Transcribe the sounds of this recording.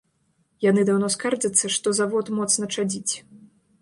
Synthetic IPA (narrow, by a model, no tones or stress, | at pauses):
janɨd̪awnɔskard͡ʐɐt̪sːɐʂt̪ɔzavɔt̪mɔt̪snɐt͡ʂad͡zʲit͡sʲ